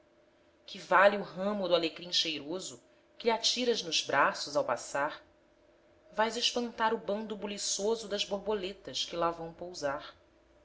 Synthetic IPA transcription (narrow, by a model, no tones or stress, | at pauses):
kʰɪvaliuɦɐ̃mʊd̪ʊaleɡɾĩŋʃejɾozʊ | kɪʎɪat͡ʃiɾɐznʊzbɾʔasʊzawpa̰saχ | vajzɪʃpɐ̃nt̪aɾʊbɐ̃nd̪ubulisozʊd̪ɐzboɾbolet̪ɐʃkɪlavɐ̃w̃powzaɾ